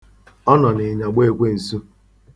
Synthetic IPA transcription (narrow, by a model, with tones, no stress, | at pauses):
ɔ˦nɔ˨ne˨ɲa˨ɡ͡be˦e˨kʷe˦n̩˨su˦